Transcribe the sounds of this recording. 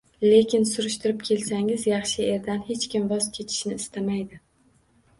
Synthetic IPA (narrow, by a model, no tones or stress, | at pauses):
le̞kʲʰɪnsʊɾʊʃt̪ʊɾɪpkʲʰe̞lsaŋɪzjɑχʃɪe̞ɾd̪anhe̞t͡ʃkʲɪmvɒzkʲʰe̞t̪ʰɪ̥ʃnɪːst̪ʰamajd̪ɪ